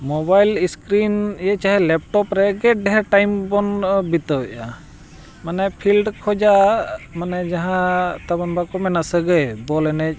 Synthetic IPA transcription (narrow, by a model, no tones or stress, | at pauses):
mɔbajliskɾinjɛt͡ʃaɦɛlɛp̚ʈɔpɾɛɡɛɖɛɦɛɾʈajmbɔnbit̪ɔwɛʔa | manɛpʰilɖkʰɔd͡ʒamanɛd͡ʒaɦãt̪abanbakɔmɛnasəɡəjbɔlɛnɛc̚